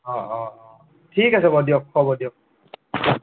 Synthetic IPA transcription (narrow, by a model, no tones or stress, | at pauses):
ɔ̃ | tʰikasɛbɔdijɔkʰːɔbɔdijɔk̚